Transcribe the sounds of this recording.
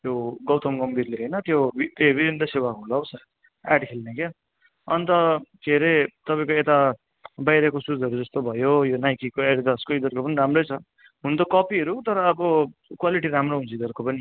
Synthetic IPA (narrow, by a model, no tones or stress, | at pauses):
joɡʌwt̪ʌmɡʌmbʱirleɦʌjnʌt̪jobit̪ebibʱind̪ʌsewakulʌwsa | aɖkʰilneke | ʌnt̪ʌkʰeɾet̪ʌpaĩkoet̪a | bajɾʌkosud͡zʌɾud͡zʌst̪obʱʌjojonajkikoeɖd̪ʌskoid̪ʌrkopʌniɾamrʌjt͡sʰʌ | ɦunt̪okʌpiɦʌɾut̪ʌɾʌːbʌkwaliʈiɾamroɦũnt͡sid̪ʌrkopʌni